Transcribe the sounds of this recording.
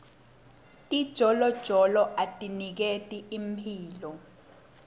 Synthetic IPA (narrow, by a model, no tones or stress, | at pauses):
tʼid̥ʒ̥ʱɔlɔd̥ʒ̥ʱɔlɔʔatʼinik̬etʼiimpʰiːlɔ